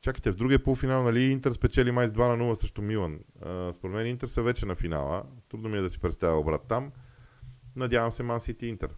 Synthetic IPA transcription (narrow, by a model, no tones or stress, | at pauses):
t͡ʃaki̥t̪ɛvd̪ɾuɡʲiəpolˠfinalˠnɐliint̪ɛɾspɛt͡ʃɛlimajzd̪vanɐnulˠəsɤʃt̪omilˠənspoɾd̪mɛnint̪ɛɾsəvɛt͡ʃɛnɐfina̰lˠə̰t̪ɾud̪nomiɛd̪ɐsi̥pɾɛt̪st̪avʲiobɾa̰t̪ːam | nɐd̪ʲjavɐmsɛmansit̪ɛint̪ɛ̰ɾ